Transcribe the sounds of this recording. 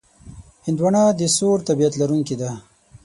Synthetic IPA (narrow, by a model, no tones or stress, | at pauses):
hɪnd̪waɳɑd̪əsoɾt̪abijat̪laɾuŋkid̪a